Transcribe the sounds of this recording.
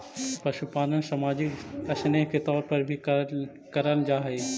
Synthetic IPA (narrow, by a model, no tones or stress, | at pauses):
pɐʃupaːnən̆sɐmaːd͡ʑɪkɐsneːɦkʰeːt̪ɔːɾpɐɾbʱi | kɐɾəld͡ʒaːɦeː